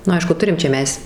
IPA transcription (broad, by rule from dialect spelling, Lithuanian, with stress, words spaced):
nʊ ˈɐɪʃkʊ ˈtʊrʲɪm t͡ʃʲɛ ˈmʲɛs